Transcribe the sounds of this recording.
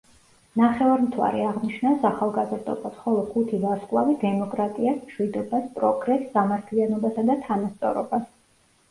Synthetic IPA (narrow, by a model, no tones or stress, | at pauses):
naχɛvaɾmt̪ʰwa̰ɾɛaʁniʃnasaχalˠɡazɾd̪ɔ̰bad̪χɔlˠɔχut̪ʰivaɾskʼlˠavid̪ɛmɔkʼɾat̪ʼiasmʃwid̪ɔbaspʼɾɔɡɾɛsːamaɾt̪ʰlianɔbasad̪at̪ʰanast̪sʼɔɾɔ̰bas